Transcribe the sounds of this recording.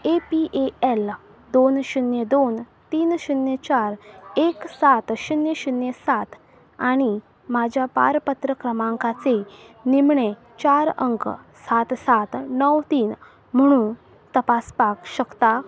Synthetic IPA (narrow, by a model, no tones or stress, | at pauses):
epiʔeel | d̪onɕunjed̪on | t̪iːnɕunjet͡ɕaɾeksat̪ɕunjəɕunjesat̪ | aɽ̃i | mad͡ʑʱjapa̰ɾpət̪ɾəkɾəmãŋkat͡senimɳe | t͡ɕaɾəŋkə̰sat̪sat̪nəwt̪iːn | m̤əɽ̃ũ | t̪əpaspakɕəkt̪a